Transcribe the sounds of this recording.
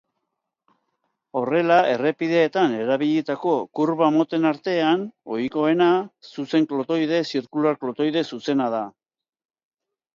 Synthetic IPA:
o̞re̞lae̞re̞piðe̞ːt̪ane̞ɾaβ̞iʎet̪ako̞kuɾβamo̞t̪e̞naɾt̪e̞ano̞̰jko̞e̞nasuse̞ŋklo̞t̪o̞jðe̞siɾkulaɾklo̞t̪o̞jðe̞suse̞nað̞a

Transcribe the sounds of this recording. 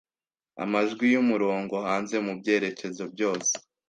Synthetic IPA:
a̰maʒɡwijumuɾoːŋɡo̞haːnze̞mubɟe̞ːɾe̞ce̞zo̞bjo̞ːse̥

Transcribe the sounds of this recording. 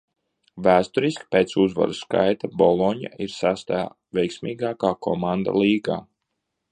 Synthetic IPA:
væːst̪ɔɾiskpeːt̪suzva̰ɾuska̰jt̪abɔlˠɔɲa̰ʔiɾsast̪aja̰ː | vʲɛjksmiːɡaːkaːkʰɔ̰mand̪a̰lˠiːɡaː

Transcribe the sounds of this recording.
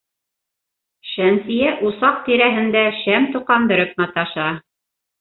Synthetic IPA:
ʃænsijæʔusɑq̚t̪iɾæɦɘ̆nd̪æʃæmt̪ŏqɑnd̪ɘ̆ɾɘp̚nɑt̪ɑʃɑ

